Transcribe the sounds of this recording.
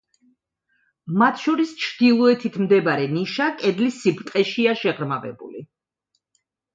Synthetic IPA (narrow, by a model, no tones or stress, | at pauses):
mat̪ʰʃɔɾist͡ʃʰd̪̥ilˠɔɛt̪ʰit̪ʰmd̪ɛbaɾɛniʃakʼɛd̪lisːibt̪ʼqʼɛʃiaʃɛʁɾmavɛ̰bṵli